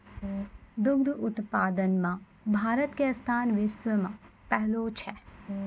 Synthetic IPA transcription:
d̪ʊɡ̚d̪ʊt̪paːd̪ənmã | bʱaːɾət̪keɐst̪ʰaːnʋɪsʋəmãpɛɦlot͡ʃʰɛ

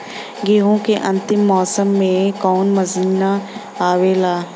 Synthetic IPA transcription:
ɡeːɦõkeʔɐ̃nt̪ɪmːɔːsəmːẽkɔːnmɐziːna | aːʋelaː

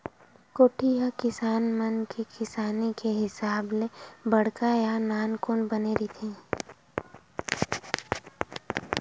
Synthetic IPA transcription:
koːʈʰijakɪsaːnmənkikʰɪsaːnikeɦɪsaːblebɐɽkajanaːnkoːnbəneːɾit̪ʰẽː

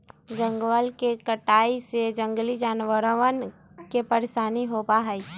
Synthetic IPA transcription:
d͡ʒə̃ŋɡwəlkekəʈaːised͡ʒə̃ŋɡlid͡ʒaːnwəɾən | kepəɾeʃaːniɦopaɦəi

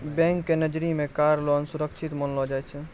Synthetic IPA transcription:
bɛ̃ŋkːenəd͡ʒɾimẽkaɾlɔnsuɾəkʃʰit̪mənlɔd͡ʒajt͡ʃʰɛ

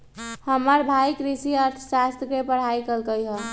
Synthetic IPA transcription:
həməɾbʱaikɾisiəɾt̪ʰsast̪jəkepəɽ̤aikəlkəjɦə

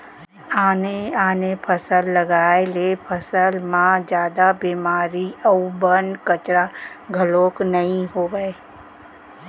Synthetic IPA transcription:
aːneaːnepʰəsəlːɐɡaːelepʰəsəlmãd͡ʒjaːd̪abiːmaːɾiəubənkət͡ʃɾaɡʱəloːknɐɦĩɦoːɡəe

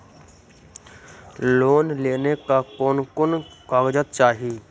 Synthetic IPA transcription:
loːnleːnekakoːnkʊnkaɡd͡ʒət̪̚t͡ʃaːɦiː

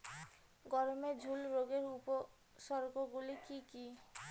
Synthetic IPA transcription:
ɡɔɾmed͡ʒʱulɾoɡeɾupo | sɔɾɡoɡulikiki

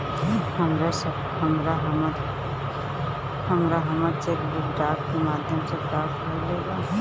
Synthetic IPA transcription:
həmɾasəb | ɦəmɾaɦəməɾ | həmɾaɦəməɾt͡ʃeːkbʊkɖaːʈ̚kemaːd̪ʱjəmsepɾaːʈkəɾleːɡaɦ

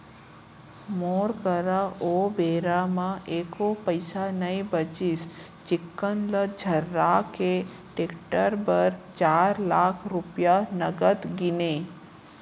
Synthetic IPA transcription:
moɾkəɾaobeɾamãʔekopəjsanəĩbət͡ʃist͡ʃɪkːənləd͡ʒʱəɾːakeʈekʈəɾbəɾt͡ʃaɾlakʰɾupjanəɡət̪ɡine

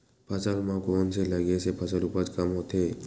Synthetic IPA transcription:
pʰəsəlmãkoːnseləɡesepʰɐsəlupət͡ʃkəmɦoːt̪ɦeː

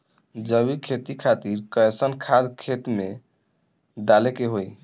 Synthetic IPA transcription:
d͡ʒəbikʰet̪ikʰat̪iɾkəjsənkʰad̪kʰet̪me | ɖ̪alekeɦoj

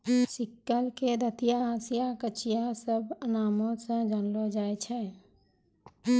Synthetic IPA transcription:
sɪkːəlked̪ət̪ijasijakət͡ʃijasəbʱənaːmosə̃d͡ʒanlod͡ʒaːet͡ʃʰɛ

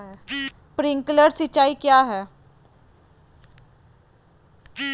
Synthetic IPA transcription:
ɦɛː | pɾɪ̃ŋkləɾsɪt͡ʃːaːikjaːɦɛː

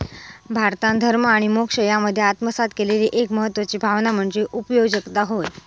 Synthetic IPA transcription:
bʱaɾt̪ãnd̪ʱəɾməaɽ̃imokʂəjaməd̪ʱːjeat̪məsat̪̚keleliːʔekməɦət̪ːʋət͡ɕiːbʱaʋnam̤əɳd͡zeʔupəjoɡd͡ʑəkt̪aɦoj

